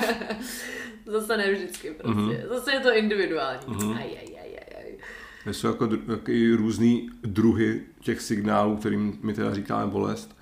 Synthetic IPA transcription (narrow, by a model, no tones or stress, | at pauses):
zasɛnɛvʒdɪt͡skɪpɾoscɛ̰zasɛjɛt̪oɪndɪvɪduaːlɲiːɦajɛ̰jɛ̰jɛ̰ja̰j | ɛsowjakodjakoɪɾuːzniːdɾuɦɪcɛxsɪɡnaːluːk̚t̪ɛɾiːmmɪt̪ɛdariːka̰ːmɛbolɛ̰st̪